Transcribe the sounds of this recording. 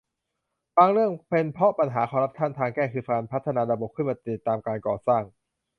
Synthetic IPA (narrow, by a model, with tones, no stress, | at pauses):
baː˧ŋɾɯ˥˩əŋpe˧npʰɾɔ˦˥pa˧nɦaː˩˦kʰɔː˧mɾa˦˥p̚t̪ʰa˥˩nt̪ʰaː˧ŋkɛː˥˩kʰɯː˧fa˧npʰa˦˥t̪ʰːa˧naː˧ɾa˧bo˨˩kʰɯ˥˩maː˧t̪i˨˩t̪ːaː˧mkaː˧nkɔː˨˩saː˥˩ŋ